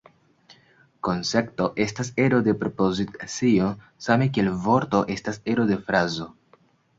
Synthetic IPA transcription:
ko̞nse̞k̚to̞ʔe̞stase̞ɾo̞de̞pɾopozit͡sio | same̞k̬eːlvo̞ɾto̞ʔe̞stase̞ɾo̞de̞fɾazo̞

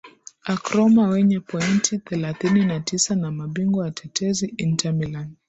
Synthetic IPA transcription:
akɾɔmawɛɲɛpɔintʰiθɛlaθininatisanamaɓiŋɡɔjatʰɛtɛziʔintʰamilan

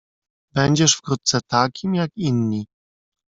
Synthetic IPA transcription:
bɛɲd͡ʑɛʂfkɾut̪̚t̪sɛt̪akʲimjakinɲi

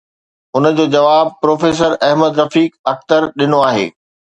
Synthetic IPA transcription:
ʊnə̆d͡ʑoːd͡ʑɐʋaːb̚pɾoːfeːs̬əɾɛɦməd̪ɾɐfiːkɐxt̪əɾɗɪnoaːɦḛː

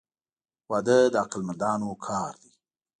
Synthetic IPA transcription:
wɑd̪əd̪əaqalmand̪ɑnokʰɑɾd̪i

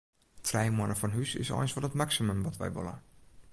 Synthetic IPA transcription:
tʰrɛjmwɔnəfɔnɦysɪ̰sɔ̰jnsʋɔlˠətmaksimømʋɔtʋɛ̰jʋo̰lˠə̰

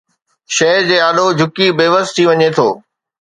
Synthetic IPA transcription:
ʃɐɦɾd͡ʑeːaːɗod͡ʑʱʊkibeːʋəst̪ʰiʋɐɲet̪ʰoː

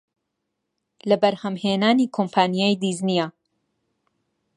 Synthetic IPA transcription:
lɐbɐɾhɐmheːnaːniːkʰompʰaːnijaːjd̪iznija

